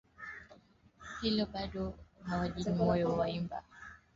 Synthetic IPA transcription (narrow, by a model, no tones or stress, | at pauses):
hilɔɓaɗɔhawaʄiimɔjɔwaimba̰